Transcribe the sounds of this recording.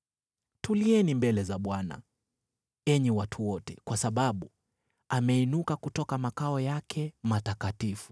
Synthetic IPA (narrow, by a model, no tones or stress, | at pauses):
tuliɛnimbɛlɛzaɓwana̰ | ɛɲɛwatʰuwɔtɛkwasaɓaɓu | amɛinukakutɔkamakaɔjakʰɛmatakatifu̥